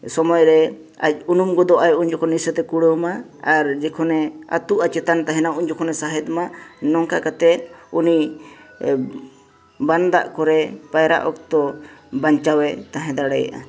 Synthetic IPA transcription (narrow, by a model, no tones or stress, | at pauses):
sɔmɔjɾɛ | a̰c̚unumɡɔd̪ɔʔajʔuɲd͡ʒɔkʰɔnisət̪ɛkuɽəma | aɾd͡ʒɛkʰɔnɛa̰t̪uʔat͡ʃɛt̪ant̪aɦɛnauɲd͡ʒɔkʰɔnɛsaɦɛd̪manɔŋkakat̪ɛt̪̚ˀuni | band̪a̰ʔkɔɾɛpajɾa̰ʔɔk̚t̪ɔbaɲt͡ʃawɛt̪aɦɛ̃d̪aɽɛja̰ʔa̰